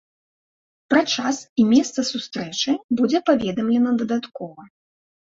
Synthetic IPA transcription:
pɾat͡ʂasimʲɛst̪sɐsust̪ɾɛt͡ʂɨbud͡zʲɛpavʲɛd̪ɐmlʲɛnɐd̪ɐd̪at̪kɔvɐ

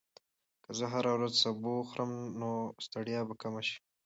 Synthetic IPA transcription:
kəzəɦaɾawɾazsaboxɾəmnost̪aɽijɑbakamaʃi̥

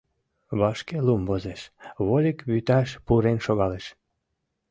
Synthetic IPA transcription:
βɑʃkelumbozeʃβolʲikβyt̪ɑʃpuɾenʃoɣɑleʃ

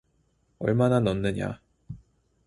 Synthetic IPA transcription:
ɔ̰jmananɔnːeɲa̰

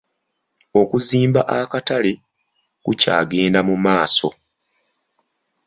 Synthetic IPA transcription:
o̞kuziːmbaʔakatale̞ | kuca̰ːɡe̞ːndamumaːso̞̰

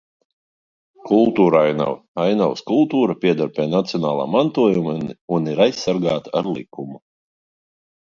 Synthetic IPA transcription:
kulˠt̪uːɾajna̰w | ajnawskulˠt̪uːɾapʲiɛd̪ɔɾpʲɛːnat̪siɔnaːlˠa̰ːmant̪uɔjumanuniɾajsːaɾɡaːt̪a̰ɾlˠḭkumu

